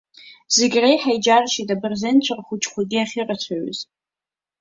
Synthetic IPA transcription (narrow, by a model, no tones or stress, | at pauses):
z̥eɡʲrejħajd͡ʒarʃitabɨrzent͡ɕʷʰɨrχʷʊt͡ʃʼχʷaɡʲɪaχʲɪrat͡ɕʷʰaɥz